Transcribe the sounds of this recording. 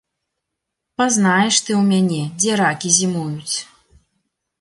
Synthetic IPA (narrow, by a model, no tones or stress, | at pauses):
pazn̪ajɛʂt̪ɨwmʲanʲɛd͡zʲɛɾakʲizʲimujut͡sʲ